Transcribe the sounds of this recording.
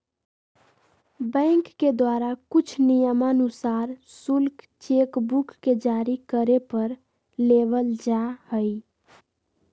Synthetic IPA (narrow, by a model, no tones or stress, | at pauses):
bə̃ŋkːed̪waɾakut͡ʃʰnijəmənusaɾsulk | t͡ʃekbukːed͡ʒaɾikəɾepəɾ | lebəld͡ʒahəj